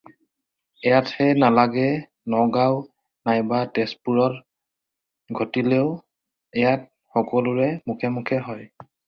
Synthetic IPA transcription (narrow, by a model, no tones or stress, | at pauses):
ɛjathɛnalaɡɛ | nɔɡaw | najbatɛspuɹɔt | ɡʱotileʊ | ɛjat̚ | xɔkɔlʊɹɛmukʰemukʰɛɦɔj